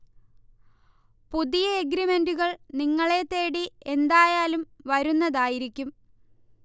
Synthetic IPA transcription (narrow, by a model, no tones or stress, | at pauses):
puðijɐeɡɾime̞nduɣɐɭniŋːɐɭe̞t̪ːe̞ːɽie̞nd̪aːjaːlumʋɐɾunːɐðaːjiɾikʲːum